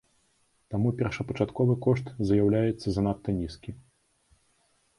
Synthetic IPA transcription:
t̪amupʲɛrʂɐpɐt͡ʂat̪kɔvɨkɔʂt̪zjawlʲajɛt̪sːɐzanat̪ːɐnʲiskʲi

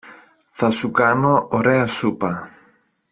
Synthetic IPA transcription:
θɐsukɐno̞oɾeɐsupɐ

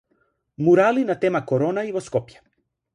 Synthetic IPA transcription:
muɾalinat̪emakoɾonaiʋoskopjḁ

